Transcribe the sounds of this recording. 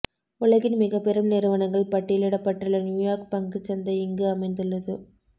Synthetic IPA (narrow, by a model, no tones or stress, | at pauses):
ʊɭɐɣɪnmɪɣɐpːɛɾɯmnɪɾɯʋɐnɐŋɡɐɭpɐʈːɪjlɪɽɐpːɐʈːɯlɐnjuːjaːɾkpɐŋɡɯt͡ʃɐnd̪ɐɪɪŋɡɯɐmɐɪnd̪ɯɭːɐðɯ